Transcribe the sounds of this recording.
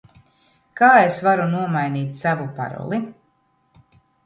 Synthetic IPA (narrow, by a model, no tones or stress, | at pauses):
kaːesvaɾunuɔmajniːt̪ʲsavupa̰ɾɔ̰lˠi